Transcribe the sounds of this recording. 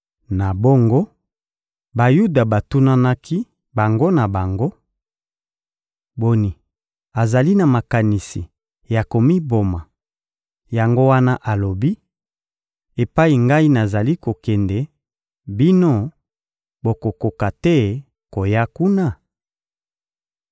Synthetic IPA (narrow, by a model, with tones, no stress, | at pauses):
na˨bo˦ŋɡo˦ | ba˨ju˦da˨ba˨tu˦na˦na˦kʰi˦ | ba˨ŋɡo˦na˨ba˨ŋɡo˦ | bo˨ni˨ | a˨za˨li˦na˨ma˨ka˨ni˨si˨ | ja˨ko˨mi˦bo˨ma˨ | ja˨ŋɡo˦wa˦na˦ʔa˨lo˨bi˦ | e˨pa˦i˨ŋɡa˦i˦na˨za˨li˦ko˨kɛ˨ndɛ˨ | bi˦no˦ | bo˨ko˨ko˨ka˨tɛ˦ | ko˨ja˦ku˦na˦˨